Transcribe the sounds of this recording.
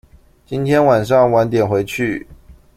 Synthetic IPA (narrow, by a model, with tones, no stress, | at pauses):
t͡ɕi˦nt̪ʰjɛ˥nwa˨˩nʂ̬ɑ˥˩ŋwa˧˥nt̪jɛ˨˩nxwe˧˥˦ɪt͡ɕʰy˥˨